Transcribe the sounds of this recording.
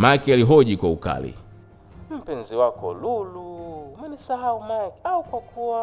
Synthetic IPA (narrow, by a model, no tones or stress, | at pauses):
majkaliɦɔʄikwauka̰lḭ | m̩pɛnziwakɔ̰lulumɛnisaɦaumajkaukwakʰuwa